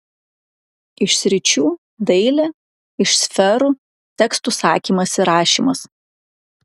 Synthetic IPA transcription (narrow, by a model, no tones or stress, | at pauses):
ɪʃsʲɾʲɪt͡ʃʲuː | d̪ɐɪlʲɛ | ɪʃsʲfʲɛɾuː | t̪ʲɛkst̪uːˑsɑːkʲiːmɐsiɾɑːʃʲḭːˑmɐs